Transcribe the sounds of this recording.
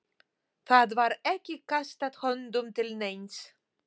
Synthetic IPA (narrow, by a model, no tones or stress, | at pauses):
θaðvaɾɛcːɪkast̪at̪hɔnd̪ʊmt̪ʰɪlnejns